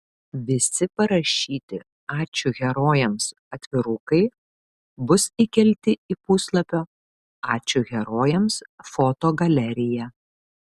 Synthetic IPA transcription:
ʋʲɪsʲɪpɐɾɐʃʲiːt̪ʲɪ | ɑːt͡ʃʲʊɣʲɛɾoːjɛms | ɐt̪ʲʋʲɪɾʊkɐɪ | bʊsikʲɛlʲt̪ʲɪipʊslˠɐpʲoː | ɑːt͡ʃʲʊɣʲɛɾoːjɛmsfoːt̪oːɡɐlʲɛɾʲɪjæ

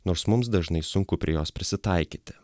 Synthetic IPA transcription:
noːɾsmʊmsd̪ɐʒnɐɪsʊŋkʊpʲɾʲɪɛjoːspʲɾʲɪsʲɪt̪ɐɪkʲiːt̪ʲɪ̥

